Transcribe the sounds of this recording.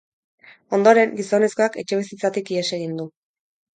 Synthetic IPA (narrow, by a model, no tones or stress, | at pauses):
o̞nd̪o̞ɾe̞ŋɡiso̞ne̞sko̞ake̞t͡ʃe̞βes̬it͡sat̪ikieseɣind̪u